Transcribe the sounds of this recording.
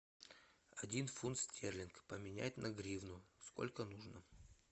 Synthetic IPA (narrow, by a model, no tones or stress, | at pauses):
ɐdʲinfunt̪sʲtʲʰerlʲɪnkpəmʲɪnʲæ̰ɪt̪ʲnɐɡɾʲivnʊsko̞̰lʲkənuʐnə